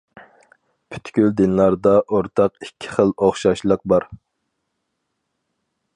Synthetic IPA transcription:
pʰy̥t̪kʲyld̪ɪnlˠɑɾd̪ɑʔoɾt̪ʰɑqikʲʰːi̥χəlˠoχʃɑʃlˠəq̚bɑɾ

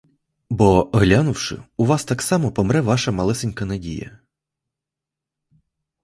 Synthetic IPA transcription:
bɔɦlʲanʊwʃɪ̰ʊʋɑst̪ɑksɑmɔpɔmɾɛʋɑʃɐmɐlˠɛsɪnʲkɐnɐdʲḭjɐ̰

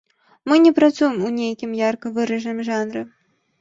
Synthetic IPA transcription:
mɨnʲɛpɾat̪sujɛmunʲejakʲimjarkɐvɨɾɐʐnɨmʐanɾɨ

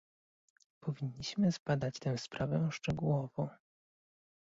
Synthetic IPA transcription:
pɔvʲiɲːiɕmɘzbad̪at͡ɕt̪ɛ̃w̃spɾʔavɛʂt͡ʂɛɡuwɔvɔ̃w̃

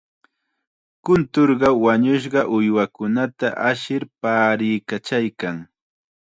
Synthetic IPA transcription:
kʊnt̪oɾɢɑwaɲʊʃ̬ɢɑʔʊjwakʊnat̪aʔaʃɪɾpaːɾɪjkat͡ʃajkaŋ

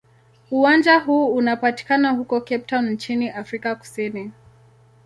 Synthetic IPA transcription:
uwand͡ʒaɦuːunapati̥kanahukɔkɛp̚tann̩t͡ʃiniʔafɾikaku̥sini

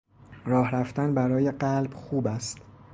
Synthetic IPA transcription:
ɾɒːhɾæft̪ænbæɾɒːjeɢælbxuːbæst̪

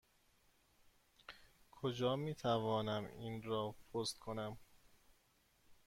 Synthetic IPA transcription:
kʰod͡ʒɒːmiːt̪ʰævɒːnæminɾɒːpʰost̪kʰonæm

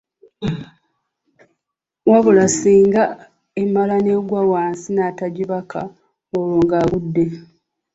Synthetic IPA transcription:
waβulasiːŋɡa | emːalane̞ɡwawaːnsinaːtaɟiβaka̰ | oloːŋɡaːβudːe̞

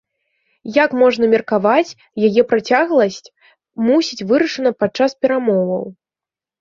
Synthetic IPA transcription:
jakmɔʐnɐmʲɛrkavat͡sʲ | jajɛpɾat͡sʲaɣlˠɐsʲt͡sʲ | musʲit͡sʲvɨɾɐʂɨnɐpat̪̚t͡ʂːaspʲɛɾamɔvɐ̰w

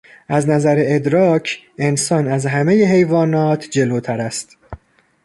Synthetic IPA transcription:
ʔæznæzæɾeed̪ɾɒːcʰe̞nsɒːnæzɦæme̞jeɦe̞jvɒːnɒːt̪ʰd͡ʒe̞loːt̪ʰæɾæst̪

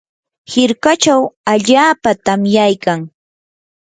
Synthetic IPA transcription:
hɪɾkat͡ʃawaʎaːpat̪amjajkaŋ

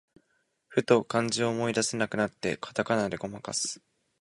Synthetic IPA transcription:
ɸɯ̟t̪o̞kãɲ̟d͡ʑioːmo̞id̪ase̞nakɯ̟nat̪ːe̞̰kʰḁt̪akanad̪e̞ɡo̞maka̰sɨ̥

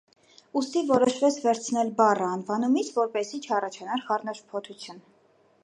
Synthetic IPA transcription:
ust̪ivɔɾɔʃvɛt͡sʰvɛɾt͡sʰnɛlbɑrəɑnvɑnumit͡sʰvɔɾpɛsit͡ʃʰɑrɑt͡ʃʰɑnɑɾχɑrnɑʃpʰɔt̪ʰut͡sʰjun

